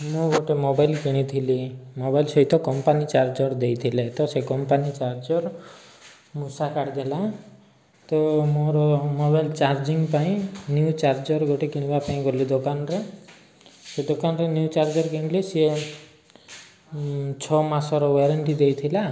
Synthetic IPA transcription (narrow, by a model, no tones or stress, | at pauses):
mũɡoʈemobajlkiɽ̃it̪ʰilimobajlsɔit̪ɔkɔmpanit͡ʃaɾd͡ʒɔɾd̪ejt̪ʰilet̪ɔsekɔmpanit͡ʃaɾd͡ʒɔɾ | musakaɽd̪ela | t̪ɔmoɾɔmobajlt͡ʃaɾd͡ʒiŋɡpaĩnjut͡ʃaɾd͡ʒɔɾɡoʈekiɽ̃ibapaĩɡɔlid̪okanɔɾe | sed̪okanɾenjut͡ʃaɾd͡ʒɔɾkiɽ̃ilese | t͡ʃʰɔmasɔɾɔweɾeɳʈid̪ejt̪ʰila